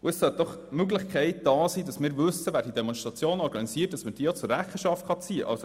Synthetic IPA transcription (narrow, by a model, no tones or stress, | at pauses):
ʊɛssœt̪̚d̥ɔχ | møɡləχkʰɛɪt̚d̥ɑːsiːdɑsmɪːɾvɵsːəvæːɾd̥id̥̪emɔnʃtʁɑt͡sjoːnɔɾɡɑnisiːət̚d̥ɑsməd̥iːəjɑt͡sʊrːæχəʃɑftχɑt͡siːəʔɑ̰lso